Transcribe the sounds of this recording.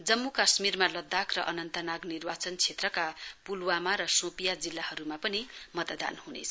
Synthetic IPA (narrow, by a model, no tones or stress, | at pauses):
d͡zʌmːukasmirmalʌd̪ːakrʌʔʌnʌnt̪ʌnaɡnirwat͡sʌnt͡sʰet̪rʌkapulwamaɾʌsõpijad͡zilːahʌɾumapʌnimʌt̪d̪a̰nhunḛt͡sʰʌ